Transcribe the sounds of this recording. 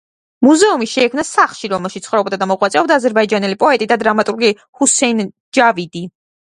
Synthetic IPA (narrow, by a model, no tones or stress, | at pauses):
muzɛumiʃɛːkʰmnasaχlˠʃiɾɔmɛlˠʃit̪sχɾɔb̚d̪ad̪amɔʁʼwat̪sʼɛɔbd̪aːzɛɾbaid͡ʒanɛlipʼɔɛt̪ʼid̪ad̪ɾamat̪ʼuɾɡi | husɛn | d͡ʒavid̪i